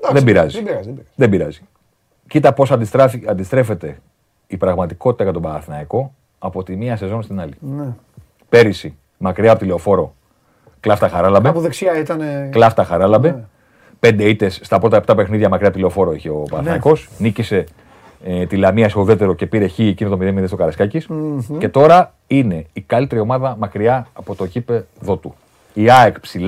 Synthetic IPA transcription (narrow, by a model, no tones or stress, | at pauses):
d̪ðebiɾɐzibɾɐzbiɐðebiɾɐzi̥ | cit̪ɐpo̞sɐnd̪ist̪ɾe̞fe̞t̪e̞ | ipɾɐɣmɐt̪iko̞t̪i̥t̪ɐɣɐt̪o̞bɐθinɐiko̞ | ɐpo̞t̪imiɐsezo̞nst̪inɐlin | pe̞ɾisi | mɐkɾiɐpt̪ile̞o̞fo̞ɾo̞ | klɐft̪ɐxɐɾɐlɐbepuðeksiɐit̪ɐneklɐft̪ɐxɐɾɐlɐbe | pe̞nd̪e̞it̪e̞sːt̪ɐpɾo̞t̪ɐept̪ɐpe̞xniðʝɐmɐkɾiɐpot̪ile̞o̞fo̞ɾoiçe̞o̞pɐɾθnko̞snicise̞ | t̪ilɐmiɐsoðe̞t̪e̞ɾo̞ce̞piɾe̞çiecinot̪omiðemiðest̪o̞kɐɾɐskɐcisce̞t̪o̞ɾɐ | ine̞ikɐlit̪e̞ɾio̞mɐðɐmɐkɾiɐːpo̞t̪o̞ʝipe̞ðo̞t̪u | iɐekpsil